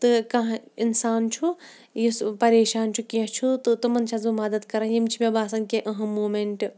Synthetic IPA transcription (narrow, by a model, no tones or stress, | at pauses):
t̪ɨkɐɦinsaːnt͡ʃʰu | jispɐɾeːʃaːnt͡ʃʰukiɐ̃t͡ʃʰut̪ɨt̪umɐnt͡ʃʰɐzumɐd̪ɐd̪kɐɾajimt͡ʃʰimẽbaːsɐnkeʔɐɦɐ̃moːmeɳʈ